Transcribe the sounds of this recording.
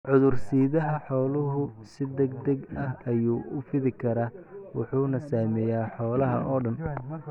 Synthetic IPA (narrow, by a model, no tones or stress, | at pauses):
ʕʊðʊrsiːðɐɦɐħɔːlʊɦʊsɪd̪ɐɡd̪ɐɡɐhɐjuːʔʊfɪðɪkʰɐɾaːwɑħuːnɐsaːmɛːjaːħɔːlɐɦɐ̰ʔɔːɖɐn